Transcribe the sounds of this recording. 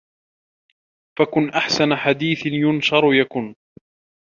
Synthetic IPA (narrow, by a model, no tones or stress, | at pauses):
fakʊnʔaħsanaħad̪iːθɪnjʊnʃɑɾˤjakʊn